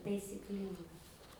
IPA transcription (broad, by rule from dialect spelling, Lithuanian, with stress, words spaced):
tɐɪsʲɪkˈlʲiːŋɡɐ